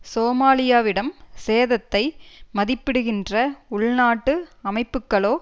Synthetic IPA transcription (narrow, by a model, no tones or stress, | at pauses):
soːmaːlɪjaːʋɪɽɐmseːðɐt̪ːɐɪmɐðɪpːɪɽɯɣɪndrɐʊɭnaːʈːɯɐmɐɪpːɯkːɐɭoː